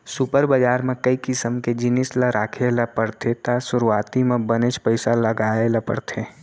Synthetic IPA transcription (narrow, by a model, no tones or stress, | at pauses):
sʊpəɾbəd͡ʒaːɾmẽkəikɪsəmked͡ʒɪnɪslaɾʔaːkʰelapəɽt̪ʰet̪asʊɾuaːt̪imẽbənet͡ʃpəɪsaləɡaːelapə̰ɽt̪ʰe